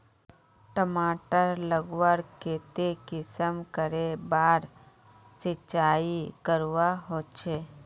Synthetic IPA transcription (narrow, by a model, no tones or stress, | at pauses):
ʈəmaːʈəɾləɡwəɾkeːt̪ekɪsəmkəɾebaːɾ | sɪt͡ʃaːikəɾwaɦoːt͡ʃʰeː